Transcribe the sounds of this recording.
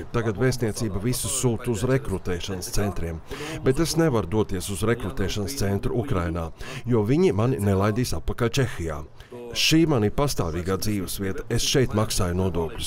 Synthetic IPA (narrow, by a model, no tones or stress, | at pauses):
t̪aɡat̪veːst̪niɛt̪siːbɐvisusuːt̪uzɾekɾut̪ɛːʃanst̪sɛnt̪ɾiɛm | bet̪esnevaɾd̪uɔt̪iɛsuzɾekɾut̪ɛːʃanst̪sɛnt̪ɾuukɾajnaːjuɔviɲimaninɛlˠajd̪iːsat̪̚pakalʲt͡ʃexija̰ː | ʃiːmanipast̪aːviːɡaːd̪ziːvəsviɛt̪ɐ̥esʃɛjt̪maksaːjnuɔd̪uɔklʲu̥s